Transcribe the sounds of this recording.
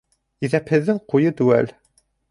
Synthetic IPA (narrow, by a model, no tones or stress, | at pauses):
iðæphɘ̆ðːɘŋqujɤt̪ʉwæ̰l